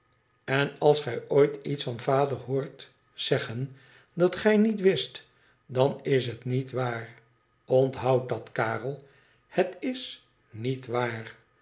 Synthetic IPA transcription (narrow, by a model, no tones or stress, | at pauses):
ɛnɑlˠsχɛjojtitsfɑnvaːdərhoːɹt | z̥ɛχən | dɑtχɛjnitʋɪst | dɑnɪs̬ɦətnitʋaːr | ɔntɦawt̚dɑtkaːrəlˠ | hətɪs | nitʋaːr